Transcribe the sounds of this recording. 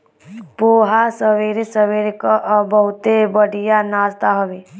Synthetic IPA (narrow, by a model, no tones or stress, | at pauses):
poːɦasəʋeɾesəʋeɾekaʔbəɦʊt̪ebəɽijanaːzt̪aɦəʋe